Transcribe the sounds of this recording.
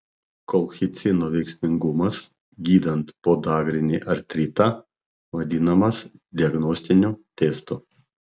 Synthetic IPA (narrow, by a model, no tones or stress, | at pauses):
kɔlˠxʲɪt̪sʲɪnoːʋʲɛɪksʲmʲɪŋɡʊmɐs | ɡʲiːd̪ɐnt̪poːd̪ɑːɡɾʲɪnʲḭʔɐɾt̪ʲɾʲiːt̪ɐ | ʋɐd̪ʲɪnɐmɐsd̪ʲɪɐɡnɔːsʲt̪ʲɪnʲut̪ʲeːst̪u